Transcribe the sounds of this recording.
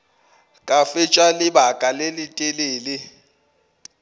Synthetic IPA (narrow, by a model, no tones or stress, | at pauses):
kʼafɪt͡ʃʼwalɪbakʼalelɪtʼeleːlɪ